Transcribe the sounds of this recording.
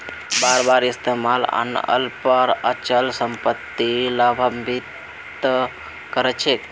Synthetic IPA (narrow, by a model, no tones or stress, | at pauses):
baɾbaɾist̪emalə̰nə̰lpəɾə̰t͡ʃəlsəmpət̪ːilabʱəmbit̪ | kəɾɛt͡ʃʰe